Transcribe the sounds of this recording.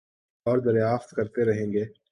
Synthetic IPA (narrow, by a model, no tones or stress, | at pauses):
ɔːɾd̪ɐɾjaːft̪kɐɾt̪eɾɐɦẽːŋɡeː